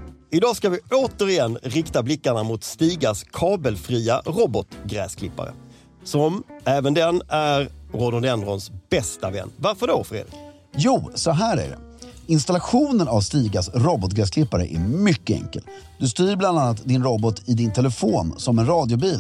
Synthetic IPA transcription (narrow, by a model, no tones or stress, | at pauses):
ɪd̪ɑːskavɪoːt̪əɾɪjɛnːɾɪkt̪ablɪkːaɳamʊt̪st̪iːɡaskʰɑːbəlfɾiːaɾɔbɔt̪ɡɾɛ̰ːskʰlɪpːa̰ɾə̰ | sɔmɛːvənd̪ɛnæɾɾod̪ɔnɛnd̪ɾɔnsb̥ɛst̪avɛ̰nːvaɾfəɖofɾḛːd̪ɪ | juːsɔɦæːɾæ̰ɖɛ̰ɪnst̪alaɧuːnənavst̪iːɡasɾɔbɔt̪̚ɡɾɛːs̬kʰlɪpːaɾə̰ʔæɾmʏkːəɛ̰ŋkə̰ld̪ɵst̪yːɾbland̪anːat̪d̪ɪnɾɔbɔt̪ʰɪd̪ɪnt̪ʰɛlɛfoːnsɔmɛnɾɑːd̪jʊbiːl